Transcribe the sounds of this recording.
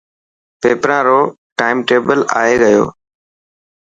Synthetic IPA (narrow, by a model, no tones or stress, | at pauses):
peːpɾãːɾoː | ʈaːɪmʈeːbəla̰ːeːɡəjo̰ː